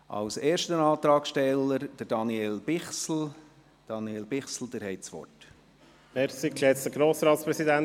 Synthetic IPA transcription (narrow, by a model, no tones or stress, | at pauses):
ʔɑ̰wseːɾʃtənɑːt̪ɾɑːkʃtɛlːəɾd̪̥əɾd̥ɑnieːlb̥ɪχsl̩ | d̪̥ɑnieːlbɪχsl̩d̪əɾhɛɪtsʋɔ̰t | mɛɾsikɛtt͡sd̪əɡɾoːsɾɑːt̪spɾɛsid̪æn